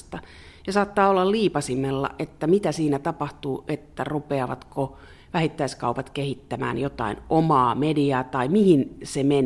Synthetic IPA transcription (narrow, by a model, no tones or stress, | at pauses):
st̪ɑ | jɑsɑːt̪ːɑːolːɑlliːpɑsimelːɑ̰ʔet̪ːæmit̪æsiːnæt̪ɑpɑht̪uːʔet̪ːærupeɑʋɑ̰t̪ko | ʋæhit̪ːæiskɑupɑt̪kehit̪ːæmæ̰ːnjot̪ɑ̰inomɑːmediɑːt̪ɑimihinsemen